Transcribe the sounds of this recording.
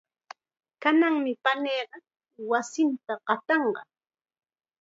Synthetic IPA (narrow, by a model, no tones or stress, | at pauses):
kanaŋmɪpaneːɢɑ | wasɪnt̪aɢɑt̪ɑɴɢɑ̰